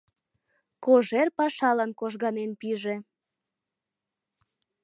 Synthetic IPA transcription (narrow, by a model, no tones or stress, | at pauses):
koʒerpɑʃɑlɑnkoʒɣɑnenpiʒe